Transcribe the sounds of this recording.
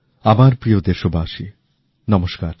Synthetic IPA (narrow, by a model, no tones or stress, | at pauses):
amaɾpɾiod̪eɾʃobʱaːʃi | nɔmoʃkaɾ